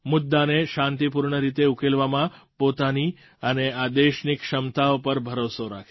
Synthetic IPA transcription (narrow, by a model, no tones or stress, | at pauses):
mʊd̪ːaneʃãnt̪ipuɾɳəɾit̪eukelʋamãpot̪ani | ənead̪eʃnikʃəmt̪aopəɾbʱəɾosoɾa̰kʰe